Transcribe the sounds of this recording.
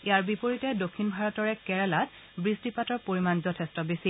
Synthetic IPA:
iaɹbipoɹitɛdokʰːinbʱaɹɔtɔɹɛkɛɹɛlat | bɹistipatɔɹpoɹimanzɔtʰestɔbesi

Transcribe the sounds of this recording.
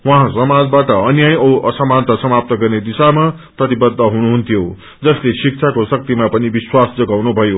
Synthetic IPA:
wãɦãsʌmad͡zbaʈʌʌnjajoʔʌsʌmant̪ʌsʌmap̚t̪ʌɡʌrned̪isama | prʌt̪ibʌd̪ʱːʌɦunuɦunt̪ʰjo | d͡zʌslesik̚t͡sʰakosʌk̚t̪imapʌnibiswasd͡zʌɡawnubʱʌjo

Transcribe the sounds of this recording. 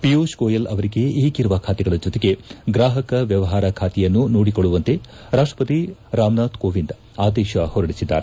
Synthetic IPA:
pijoːʃkoːjɐlʔɐʋɐɾiɡe̞iːɡiɾʋakʰaːt̪ɛɡɐɭɐd͡ʒɔt̪eɡe̞ɡɾaːɦɐkɐʋjɐʋɐɦaːɾɐkʰaːt̪ɛjɐnːunoːɽikoɭːuʋɐnt̪e̞ | ɾaːʂʈɾɐ̥pɐt̪iɾaːmnaːd̪koːʋind̪ | aːd̪ɛːʃɐhɔɾɐɽisid̪ːa̰ːɾe

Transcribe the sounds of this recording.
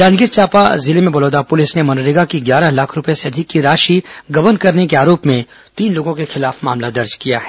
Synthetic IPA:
d͡ʒãːd͡ʒɡɪɾt͡ʃaːpazɪlemẽbɐloːd̪apʊlɪsnemɐnɾɪɡakiɡjaːɾaɦlaːkʰɾʊpeseɐd̪ʱɪkːiɾaːʃiɡɐʋənkɐɾnekeaːɾoːpmẽ | t̪iːnloːɡõkexɪlaːfma̰ːmlad̪ɐɾd͡ʒkija̰ɦɛː

